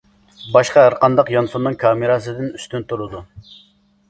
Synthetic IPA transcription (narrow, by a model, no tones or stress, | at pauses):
bɑʃqɑæɾqɑnd̪ɑqjɑnsumnɨŋkʰɑːmɨɾɑsɨd̪ɪnyst̪ynt̪ʰuɾud̪u